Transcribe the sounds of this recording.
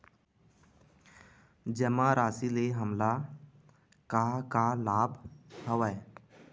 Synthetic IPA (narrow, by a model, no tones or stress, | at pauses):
d͡ʒəmaɾaːsileɦəmla | kakalaːbʱɦəʋae